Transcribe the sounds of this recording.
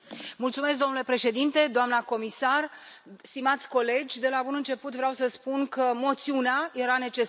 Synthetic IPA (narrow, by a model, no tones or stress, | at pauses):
mult̪sume̞s̬k̚ɡd̪o̞mnule̞pɾe̞ʃe̞d̪int̪e̞d̪oamnəko̞misarst̪imat̪sʲko̞le̞d͡ʒʲd̪e̞labunɨnt͡ʃe̞put̪vɾeawsəspunkəmo̞t̪siuneaje̞ɾane̞t͡ʃe̞